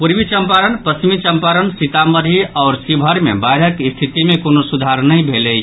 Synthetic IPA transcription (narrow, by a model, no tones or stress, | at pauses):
puɾʋit͡ʃəmpaɾənpəst͡ʃimit͡ʃəmpaɾənsit̪aməd̪ʱiɔːɾsibʱəɾmḛbajɾəkst̪ʰit̪imẽkonosud̪ʱaɾnəjbʱeləj